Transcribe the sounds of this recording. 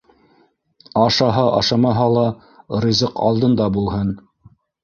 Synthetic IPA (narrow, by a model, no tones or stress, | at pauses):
ɑʃɑɦɑʔɑ̰ʃɑmɑɦɑlˠɑ | rizɤqɑ̰lˠd̪ɤ̆nd̪ɑbulˠhɤn